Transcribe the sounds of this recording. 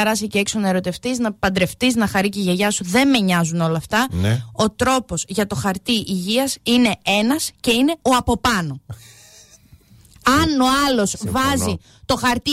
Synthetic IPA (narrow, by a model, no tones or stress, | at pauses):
eɾɐsiceeksonɐeɾo̞t̪e̞ft̪iznɐpɐnd̪ɾe̞ft̪iznɐxɐɾiceʝeʝɐsuðe̞mme̞ɲɐzuno̞lɐːft̪ɐo̞t̪ɾo̞po̞zʝɐt̪o̞xɐɾt̪iʔiʝiɐsine̞e̞nɐsce̞ineo̞ɐpo̞pɐno̞ | ɐno̞ɐlo̞svɐzi | t̪o̞xɐɾt̪i